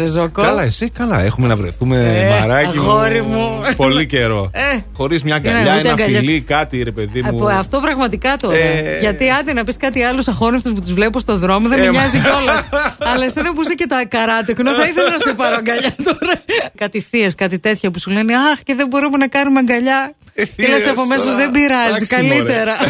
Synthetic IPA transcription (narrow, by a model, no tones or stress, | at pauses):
ɾezokoɐlɐesikɐlɐ̰exumenɐvɾojθumemɐɾɐixoɾimupo̞liceɾo̞exo̞ɾizmɲɐɡɐnʎɐinɐɡɐɐlikɐt̪iɾe̞pe̞ðiuɐft̪o̞pɾɐɣmɐt̪ikɐt̪oɾeʝɐt̪iɐnd̪inɐpiskɐt̪iɐlusɐxo̞neft̪osput̪uzvlepipost̪oðɾo̞moðemmiɲɐziceolɐsɐlɐesenɐp̬uisecet̪ɐkɐɾɐt̪eknoθɐiθelɐnɐsepɐɾɐŋɡɐʎɐt̪oɾɐkɐt̪iθiɐskɐt̪it̪e̞t̪çɐpusule̞neɐxceðebo̞ɾumenɐkɐnumɐŋɡɐʎɐ | inesɐpomesðebiɾɐzikɐlie̞ɾɐ